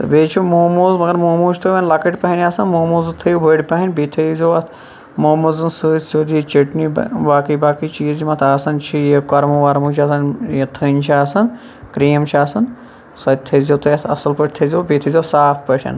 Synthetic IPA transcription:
t̪ɐ̰beːt͡ʃʰumoːmuːzmɐɡɐɾmoːmuːt͡ʃʰʲt̪ʰoʋʲɐnlakɐʈʲpɐɦinʲaːsɐnmoːmuːzɨt̪ʰɐjubʱəɽʲpɐɦinʲbiːt̪ʰɐzʲoː | moːmuzɨnsɨːsʲoːd̪it͡ʃiʈnḭbaːkibaːkiːt͡ʃiːzimãt̪aːsɐnt͡ʃʰijɐkːaːɾmuʋaːɾmuːt͡ʃʰiaːs̬ɐnjɐt̪ʰɐnʲt͡ʃʰiaːsɐn | kɾiːmt͡ʃʰiaːsɐn | sɐt̪ʰɐzʲot̪ʰɐjɐ̰sɐlpəʈ̚ʲt̪ʰɐzʲoːbit̪ʰɐzʲoːsaːpʰpəʃʰʲɐ̰n

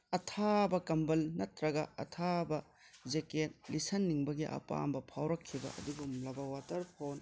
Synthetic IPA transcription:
ɐtʰabɐkɐmbɐlnɐtɾɐɡɐɐtʰabɐ | d͡ʒeket̚lisɐnːiŋbɐɡiʔɐ̰pa̰mbɐpʰawɾɐkʰːibɐ̰ʔɐ̰duɡumlɐbɐwatɐɾpʰon

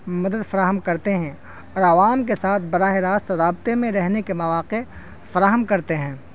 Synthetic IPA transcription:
mɐd̪əd̪fɐɾaːɦəmkɐɾt̪eɦɛ̃ | ɔːɾɐʋaːmkesaːt̪ʰbɐɾaːɦeɾaːst̪ɾaːbt̪emẽɾɛɦnekemɐʋaːqe | fɐɾaːɦəmkɐɾt̪eɦɛ̃ː

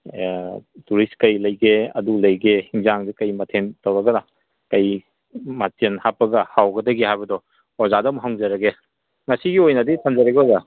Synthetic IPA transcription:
tuɾistkɐjlɐjɡeɐ̰dulɐjɡehiŋzaŋdikɐjmɐtʰentɐwɾɐɡɐna | kɐj | matenhapːɐɡɐhawɡɐdɐɡeɦajbɐdɔ | ɔzadɐmɦawŋzɐɾɐɡe | ŋɐsiɡiojnɐditʰɐmzɐɾɐɡeɔza

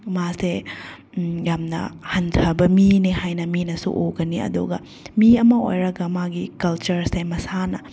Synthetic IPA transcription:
mase | jamnɐ̰hɐntʰɐbɐminiɦajnɐminɐsṵʔoɡɐniɐ̰d̪uɡɐ̰ | miɐmɐo̰jɾɐɡɐmaɡikɐlt͡ʃɐɾsemɐsanɐ

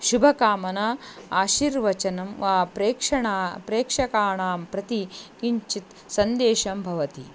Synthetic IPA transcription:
ʃubʱɐkaːmɐnɐaːʃiɾʋɐt͡ʃɐnɐmʋaːpɾeːkʂɐɳaːpɾeːkʂɐkaːɳaːmpɾɐt̪ikiɲt͡ʃit̪ | sɐnd̪eːʃɐmbʱɐʋɐt̪i

